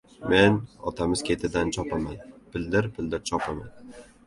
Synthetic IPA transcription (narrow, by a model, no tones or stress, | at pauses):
me̞nɒ̰t̪ʰamɪz̥kʲʰe̞t̪ʰɪd̪ant͡ʃʰɒpʰamanpʰɪld̪ɪɾpʰɪld̪ɪɾt͡ʃʰɒpʰama̰n